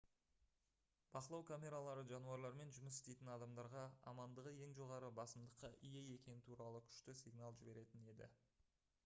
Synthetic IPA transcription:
b̥ɑqəlˠɑwkʰamʲe̞ɾalˠɑɾəʒɑnuɑɾlˠɑɾme̞nʒʊməs̬ɪst̪e̞jt̪ɪnɑd̪ɑmd̪ɑɾʁɑɑ̰mɑnd̪əʁəje̞ŋʒo̞ʁɑɾəbɑsəmd̪əqːɑʔijeje̞kʲe̞nɪt̪ʰuɾɑlˠəkʲʰʏ̥ʃt̪ɪsijɡnalˠʒɪbe̞ɾe̞t̪ɪne̞d̪ɪ̰

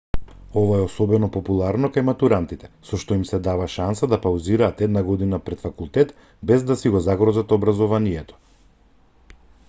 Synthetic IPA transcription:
ɔvaɛɔsɔbɛnɔpopulˠaɾnɔkajmat̪uɾant̪it̪ɛ̥sɔʃt̪ɔimsɛd̪avaʃansad̪apawziɾaːt̪ɛd̪naɡɔd̪inapɾɛt̪fakulˠt̪ɛt̪ | bɛzd̪asiɡɔzaɡɾɔzat̪obɾazɔvanijɛt̪ɔ̥

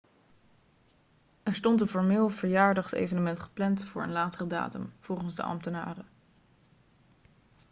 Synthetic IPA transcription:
ɛɹstɔntənfɔɹmɪːlˠv̥əɹjaːɹdɑχsḛjvənəmɛntχə̥plɛntfʊːɹə̰nlaːtərəda̰ːtə̰mv̥ɔlˠχənzdə̰ʔɑ̰mtəna̰ːrə

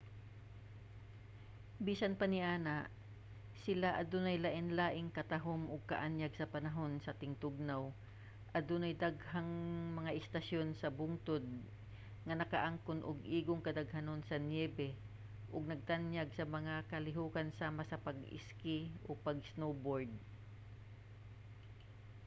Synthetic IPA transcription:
biːsɐnpɐnɪʔaːnaʔ | sɪlaʔɐd̪onɐjlaʔɪnlaːʔɪŋkɐt̪aɦomʔʊɡ̚kɐʔanjaɡsɐpɐnɐɦo̞nsɐt̪ɪŋt̪ʊɡ̚naw | ʔɐd̪ʊnɐjd̪aɡhaŋmɐŋaʔɪst̪asjo̞nsɐbʊŋt̪od̪̚ | ŋɐnɐkɐʔaŋkʊnʔʊ̰ɡʔiːɡoŋkɐd̪ɐɡhanonsɐnjɛːbɛ | ʔʊɡ̚nɐɡ̚t̪anjaɡ̚sɐmɐŋakɐlɪɦuːkansaːmasɐpɐɡɪ̰skɪʔopɐɡsnowboɹd̪̚

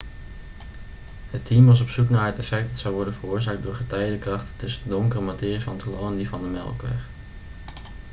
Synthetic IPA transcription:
ɦətimʋɑs̬ɔpsuknaːɹɦətɛfɛk̚dɑtsɑwʋɔɹdənvərʊːɹzaːk̚dʊːɹχətɛjdəkrɑχtətɵsədɔŋkərəmatɪːrisfɑntəlowəndivɑndəmɛ̰lˠkʋɛ̰χ

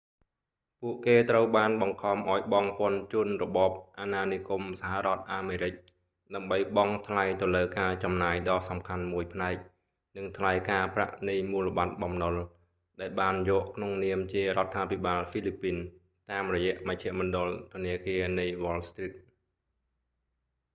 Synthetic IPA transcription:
puəʔkeːt̪rəwɓaːnɓɑŋkʰɑmʔaɔjɓɑŋpŏənt͡ɕŭənrɔɓɑːp̚ʔaːnaːniəkumsahaʔrŏət̪̚ʔaːmeːɾɨc̚ | ɗaəmɓəjɓɑŋt̪ʰlajt̪ŏləːkaːt͡ɕɑmnaːjɗɑːsɑmkʰanmuəjpʰnaɛk̚ | nɨŋt̪ʰlajkaːpra̰ʔnɨjmuːləɓat̪̚ɓɑmnol | ɗaɛlɓaːnjɔːʔkʰnoŋniəmt͡ɕiəɾŏət̪ʰːaːpʰiɓaːlfiːlipːiːn | t̪aːmrɔjɛ̆əʔmɨc̚t͡ɕʰĕəʔmɔnɗŏəlt̪ʰʊ̆əniəkiənɨjʋɔːlst̪rit̪̚

